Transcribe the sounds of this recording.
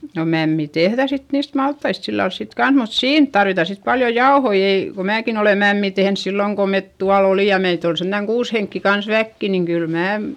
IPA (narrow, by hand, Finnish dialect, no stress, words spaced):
no mæmːi tehðæ sit niːst mɑltːɑist silːɑls sik kɑns mut siːn tɑrʋitɑ sit pɑljo jɑohoi ei ko mæːkin ole mæmːiˑ tehns silːoŋ ko met tuɑl oliˑ jɑ meit ol sentæŋ kuːs heŋkːi kɑns ʋækːi niŋ kyl mæː